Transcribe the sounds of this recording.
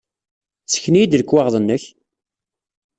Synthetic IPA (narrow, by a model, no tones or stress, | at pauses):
t͡sːə̥çnijid̪ləkːwaʁðˤənːəç